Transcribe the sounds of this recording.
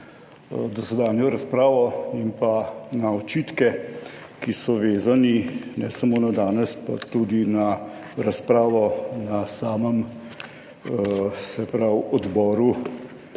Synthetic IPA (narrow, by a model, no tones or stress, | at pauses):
d̪ɔsɛd̪aːnjɔɾaspɾaːʋɔimpanaɔt͡ʃiːt̪kɛkisɔʋeːzaninɛ̰sɐmoːnad̪aːnɛspa̰t̪ud̪ina | ɾaspɾaːʋɔnasaːməm | sɛpɾawɔd̪bɔːɾu